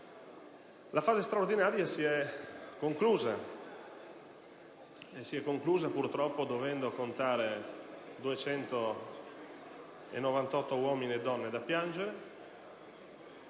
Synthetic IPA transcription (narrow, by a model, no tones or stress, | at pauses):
lʔafaːzest̪ɾaoɾd̪inaːɾjasiɛkːoŋkluːza | esːiɛkːoŋkluːzapuɾt̪ɾɔpːod̪ovɛnd̪okont̪aːɾed̪uet͡ʃɛnt̪o | ḛnːovant̪ɔt̪ːowɔminiɛd̪ːɔnːed̪apːjand͡ʒeɾe